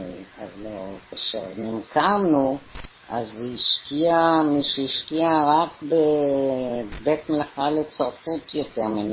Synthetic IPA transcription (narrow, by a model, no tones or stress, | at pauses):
a̰lokeʃḛnimkʰanu | ʔaziʃkiamiʃeiʃkiaʁakbe | betmelaχalet͡soʁfutjoteʁmin